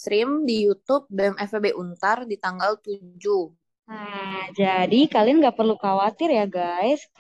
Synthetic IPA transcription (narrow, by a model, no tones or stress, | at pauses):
t̪ɾɪmdijut̪ʊp̚damɛfebeʔunt̪ardit̪aŋɡalt̪ud͡ʒu | ad͡ʒadikalianɡaʔpərlukawat̪ɪrjaɡajs